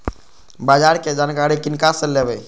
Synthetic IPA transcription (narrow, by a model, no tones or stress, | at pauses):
baːd͡ʒaɾked͡ʒaːnkaɾikɪnkasəlebɛ